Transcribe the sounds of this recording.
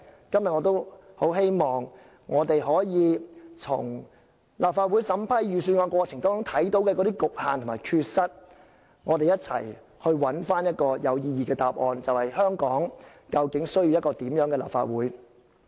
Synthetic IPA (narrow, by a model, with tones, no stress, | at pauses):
kɐ˥mjɐ˨t̚ŋɔː˨˧t̪o˥who˨˥wɦe˥jmɔː˨ŋː | ɔː˨˧t̪e˨jɦɔː˨˥jiː˨˧t͡sʰʊ̰˨˩ŋ | laː˨p̚faː˧t̚wuː˨˥jsɐ˨˥mpʰɐ˥jjyː˨sy˧nŋɔ˨˧kwɔː˧t͡sʰɪ˨˩ŋt̪ɔː˨˥t͡sʊ˨˥ŋt̪ʰɐ˨˥jt̪o˨˥wkɛː˧kɔ˨˥ɾi˥kʊ˨k̚haː˨nt̪ʰʊ˨˩mː˨˩jkʰyː˧t̚sɐ˥t̚ | ŋɔː˨˧t̪e˨jɐ˥t̚t͡sʰɐ̰˨˩j | hɵ˧ɥwɐ˨˥nfaː˥njɐ˥t̚kɔː˧jɐ˨˧wjiː˧jiː˨˧kɛː˧t̪aː˨p̚ʔɔː˧nt͡sɐ˨whɐ˨jhœː˥ŋkɔː˨˥ŋ | kɐ˧wkɪ˨˥ŋsɵ˥ɥji˧wjɐ˥kɔː˧t̪iː˨˥mjœː˨˥ŋkɛː˧la̰ː˨pfa̰ː˧t̚wuː˨˥j